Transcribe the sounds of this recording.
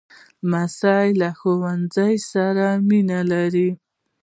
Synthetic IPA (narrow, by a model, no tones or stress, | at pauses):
masɑjlaxowand͡zajsaɾaminalaɾi